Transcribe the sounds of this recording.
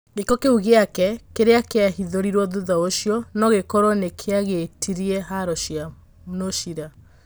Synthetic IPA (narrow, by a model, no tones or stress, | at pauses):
ɣekɔkeuɣeakɛkeɾeakeahiðoɾiɾwɔðuðaoʃjɔnɔɣekɔɾɔnekʰeaɣetʰiɾiɛɦaɾɔʃia | noʃiɾa